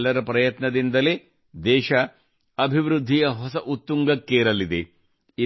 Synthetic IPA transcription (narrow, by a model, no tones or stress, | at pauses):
lːɐɾɐpɾɐjɐt̪nɐd̪ind̪ɐleː | d̪ɛːʃɐ | ɐbʱiʋɾud̪ʱːijɐɦɔsɐʔut̪ːuŋɡɐkːeːɾɐlid̪e | i